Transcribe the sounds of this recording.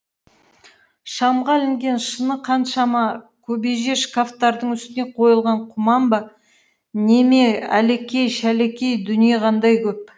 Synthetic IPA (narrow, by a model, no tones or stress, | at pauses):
ʃɑmʁɑlɪŋɡʲe̞nʃənəqʰɑnʃɑmɑ | kʲʰɵbe̞ʒe̞ʃkaft̪ɑɾd̪əɴʏst̪ɪne̞qʰo̞jəlˠʁɑɴqʰʊmɑmbɑ | ne̞me̞æ̰le̞kʲe̞jʃæle̞kʲe̞jd̪ʏnijeʁʰɑnd̪ɑjkʲʰɵp̚